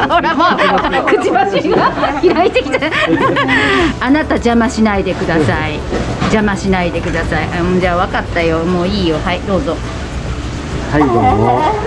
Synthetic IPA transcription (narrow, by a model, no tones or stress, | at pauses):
hoɾamakɯ̟t͡ɕibat͡ɕiɡahiɾait̪e̞kʲi̥t̪a | anat̪ad͡ʑamaɕinaid̪e̞kɯ̟d̪asai | d͡ʑamaɕinaid̪e̞kɯd̪asaiʔamːd͡ʑaːβakat̪ːajomoːiːjo̞haid̪o̞ːzo̞ | haioo